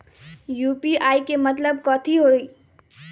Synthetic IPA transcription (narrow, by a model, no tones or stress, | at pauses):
jupiaːikemət̪ləb̚kɔt̪ʰiɦoi